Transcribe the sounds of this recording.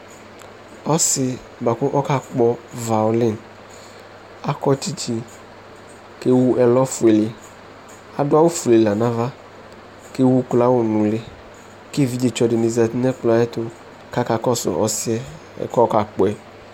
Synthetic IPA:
ɔ˦sɪ˨ | ba˨kʊ˦ʔɔ˦ka˦k͡pɔ˦va˨ʊ˨lɪ˦˨n | a˦kɔ˦ti˦t͡ʃi˨ | ke˦wu˦ʔɛ˨lɔ˦fʊ˨e˨le˨ | a˨dʊ˦a˦wʊ˦fu˨le˨la˨nã˦va˦ | ke˦wu˦kla˦wʊ˨nũ˨le˨ | ke˦˨vi˨˦d͡ʒe˨t͡ʃɔ˨dɪ˨nɪ˨zɛ˨t̪ɪ˦nɛ˦k͡plɔ˨ɛ˦t̪ʊ˨ | ka˦ka˨kɔ˦sʊ̰˨ʔɔ̰˨sɪ˦ɛ̰˦˨ | kɔ˦ka˨k͡pɔ˨ɛ˨

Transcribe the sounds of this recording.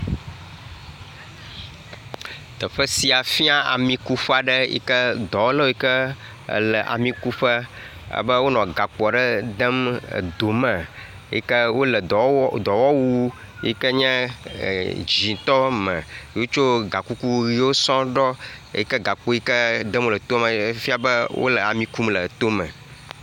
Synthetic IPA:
t̪ə˨ɸə˦si˨a˨fi˦a˦a̰˨mĩ˨ku˦ɸa˦˨ɖɛ˦jḭ˦kə˦d̪ɔ˨wo˦lə˦wo˦i˦kə̰˦˨ | lɛ˨ʔa̰˨mĩ˨ku˦ɸə˦ | ə̰˦bə˦wo˦nɔ̃˨ɡa˨k͡pɔ˨ɖɛ˦d̪ɛ˦m̰˨d̪o˨mɛ̃˨ | ḭ˦kɛ˦wo˦lə˨d̪ɔ˨wɔ˦wu˦ | ḭ˦kə˦ɲɛ̰̃˦˨ | d͡ʑĩ˨t̪ɔ˦mə̰̃˨˦wo˦t͡ʃo˦ɡa˨ku˦ku˦ɣi˦wo˦sɔ̃˦ɖɔ˦ḛ˦ji˦kə˦ɡa˨k͡po˦ji˦kə˦d̪ə˦mwo˦lə˨t̪o˦mə̃˨fi˦a˦bə˦wʔo̰˦lə˨a˨mĩ˦ku˦mlə˨t̪o˦mə̃˨

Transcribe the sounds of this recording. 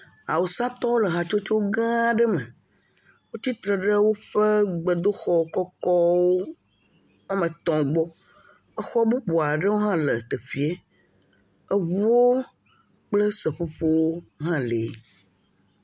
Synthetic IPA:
a̰˨wo˨sã˦t̪ɔ˦wo˦lə˨ɦa˨t͡ʃo˦t͡ʃo˦wo˦ɡã˦ɖə˦mẽ˨ | wo˦t̪i˦t̪ɾə˨ɖə˦wo˦ɸe˦ɡ͡bə˨d̪o˦xɔ˦˨kɔ˦kɔ˦wo˦ | mã˦mẽ˨t̪ɔ̃˨ɡ͡bɔ˦ | ə˦xɔ˦bu˦bo˨a˨ɖə˦wo˦ɦã˦le˨t̪e˨ɸi˨e˦ | ə˦βu˦wo˦ | k͡plə˦sə˨ɸo˦ɸo˦wo˦ɦã˦le˨˦

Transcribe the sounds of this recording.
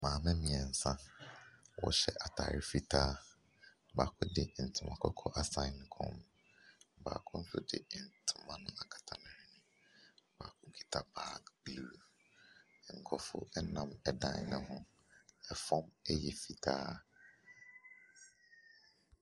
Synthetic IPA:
mãː˨mɛ̃˦mĩ˨ɛ˨n̩˨sã˦ | wɔ̰˨ɕɛ˦ʔa˨tʰa̰ː˨ɾɪ˦fi˦tʰaː˦ | baː˨kʰʊ˦dɪ˨n̩˨tʰɪ˨mã̰˨kʰɔ˦kʰɔ˦ʔa˨sã˨ɪ˦n˨kʰɔ̰̃˦m | ba̰ː˨kʰʊ̃˦n̩˦sʊ˦dɪ̰˨n̩˨tʰɪ̥˨mã˦nʊ̃˦a˨kʰḁ˨tʰa˨nʊ̃˨ɾɪ˦nʊ̃˦ | ba̰ː˨kʰʊ˦kʰi̥˨tʰa˨baː˦kbluː˨ | ŋ̩˨kʰɔ˨fʊ̰˦ɛ˦nã˨mɛ˨dã̰˦nnɪ̃˦hʊ̃˦ | ɛ˨fɔ̃˦mɛ˦jɛ˨fi˨tʰaː˦

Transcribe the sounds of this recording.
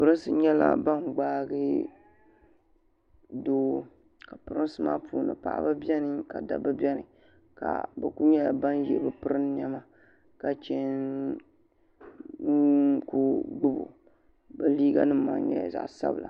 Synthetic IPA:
pɨ˦ɾɨ˦sɨ˦ɲɛ˦la̰˨ba˦ŋɡ͡baː˦ɡɨ˦ | doː˦ | ka˨pɨ˦ɾɨ˦n˦sɨ˦ma̰ː˦pʰuː˨nɨ̰˨pa̰˨ʔa̰˦ba˦bʲɛ˦nɨ˦ka˨da̰˨bɨ˦bɛ˦nɨ˨ | ka̰˨bɛ˨ku˦ɲɛ˦ja˨ba˦njɛ˨bɨ˦pɨ˦ɾɨ˦nɲɛ˦ma˦ | ka˨t͡ʃɛ˦n˦ | ku˦ɡ͡bɨ˦bṵ˨ | bɛ˨liː˦ɡa̰˦nɨ˦ma˨nɲɛ̰˦j̰za̰˨ʔsa̰˦bɨ˨lʔa̰˨

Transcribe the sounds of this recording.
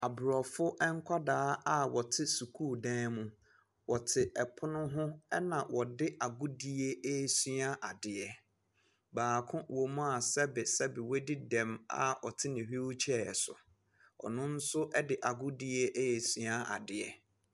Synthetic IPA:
a˨bʊ˨ɾɔ˨fʊ˦ʔɛ˦ŋ̩˦kʰʷa˦daː˦a˦wɔ˨tʰɪ˦su˨kʰuː˦˨dɛ̃ː˦mʊ̃˨ | wɔ˨tʰɪ˨ʔɛ˨pʰʊ˦nʊ̃˦ɦʊ̃˦ɛ˦nã˨wʔɔ˨dɪ˦a˨ɡʊ˦di˦e˦e˦˨sy˦a˦ʔa˨dɪ˨ɛ˨ | baː˨kʰʊ̃˦wo˨m̃˦a˨sɛ˦bɪ˨sɛ˦bɪ˨we˦di˦dɛ̃˨ma̰˨ɔ˨tʰɪ˦nɪ̃˨ɦi˦wʊ˦t͡ɕʰɛ˦˨sʊ̰˨ | ɔ̰˨nʊ̃˦n̩˦sʊ˦ʔɛ˦dɪ˨ʔa˨ɡʊ˦di˦e˦ʔe˦je˨sɥa˦a̰˨dɪ˨ɛ˨

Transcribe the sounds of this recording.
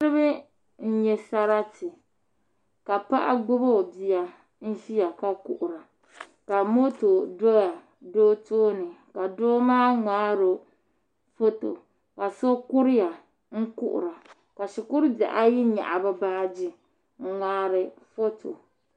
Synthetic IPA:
ɾɨ˦bɨ˦ | n̩˦ɲɛ˨sa˦ɾa˦tɪ˨ | ka˨pa˦ʔa̰˦ɡ͡bʊ˦bo˦˨bi˨ja˨ | n̩˦ʒi˦ja˨ka˦kṵ˦ʔʊ˨ɾa˨ | ka˨mo˦to˨do˦ja˨ | doː˦toː˦nɨ˨ka˨doː˦maː˦ŋaː˦ɾo˨ | fo˦to̰˨ | ka˨so˦ku˦ɾɪ˦ja˨ | ŋ̩˦kṵ˦ʔʊ̰˨ɾa˨ | ka˨ʃi˨kʊ˦ɾɨ˦bja˨ʔa˦ji˦ɲa̰˨ʔa˨ba˦baː˦d͡ʒi˦ | ŋ̩˦ŋaː˦ɾɨ˨fo˦tʰo˨

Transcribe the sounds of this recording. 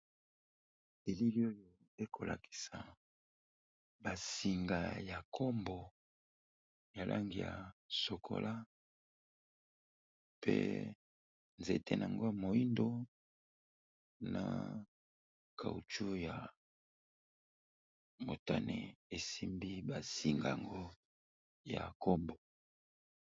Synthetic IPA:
e˨li˦li˦o˦jo˦ | e˦kʰo˨lʔa̰˨ki̥˨sa˨ | ba˨si˨ŋɡa˨ja˨kʰo˦mbɔ˨ | ja˨lʔa̰˦ŋɡi˨ja̰˨so˨kʰo̰˨lʔa˦ | pḛ˦ | nze˨te˦na˨a˨ŋɡo˦ja˨mo˨i˦ndo˦ | na̰˨ | kʰa˨ṵ˨t͡ʃu˦ja˨ | mo˨ta˦ne˨e˨si˦mbi˦ba˨si˨ŋɡa˨ja˨ŋɡo˦ | ja̰˨ko˦mbɔ˨

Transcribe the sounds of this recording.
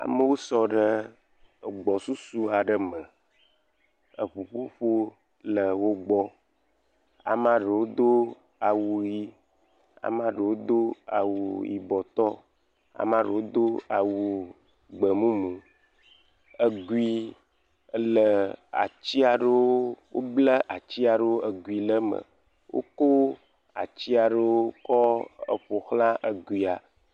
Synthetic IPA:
a̰˨mə˦wo˦sɔ˦ɖə˦˨ | ɡ͡bɔ˨su˦su˦a˨ɖə˦mə̃˨ | ə˨ɸu˨ɸo˦ɸo˦ | lə˨wo˦ɡ͡bɔ˦ | a̰˨m˦ã˦ɖə˨wo˦d̪o˦ | a˨wu˨ji˦ | a̰˨m˦ã˦ɖə˨wo˦d̪o˦a̰˨wu˨jḭ˨bɔ˨t̪ɔ˦ | a̰˨m˦ã˦ɖə˨wo˦d̪o˦a˨wu˨ | ɡ͡bə˨mũ˦mũ˨ | ə˨ɡu˨i˨ | ə˦lə˨a̰˨t͡ɕi˦a˨ɖə˦wo˦wo˦blə˦ʔa˨t͡ɕi˦a˨ɖə˦wo˦ə˨ɡu˨i˨lə˦mə̰˨ | wʔo̰˦ko˦ | a̰˨t͡ɕi˦a˨ɖə˦wo˦kɔ˦ə̰˨ɸo˨xlã˦ʔə˨ɡwi˨a˨

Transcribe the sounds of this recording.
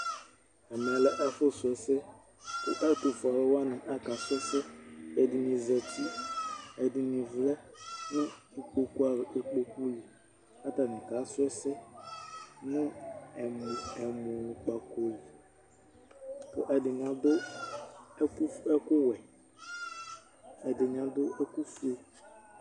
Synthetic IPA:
ɛ˨mɛ˨lɛ˦ʔa˦fʊ˦sʊ˨ɛ˨sɪ˦ | kʊ̰˦ʔɛ˦tʊ˨fɔ˨lɛ˦wa˦nɪ̃˨ʔa˦ka˨sʊ˦sɪ˦ɛ˨dɪ˨nĩ˨zɛ˨ti˦ɛ˨dɪ˨nĩ˨vlɛ˦nʊ̃˦ | i˨k͡po˨ku˦a˨ɣʔe˨k͡po˨ku˦li˨ | a˦ta˨nɪ̃˨ka˨˦sʊ˦ɛ˦sɪ˦ | nʊ̃˦ɛ˨m˨ɛ˨mo˨nʊ̃˨k͡pa˨ko˨li˨ | t̪o̰˨ʔɛ˨dɪ˨ɲ˨ã˨dʊ˦ | ɛ˦kʊ˦wɛ˨ | ɛ˨dɪ˨ɲ˨ã˨dʊ˦ɛ˦ku˦fe˦

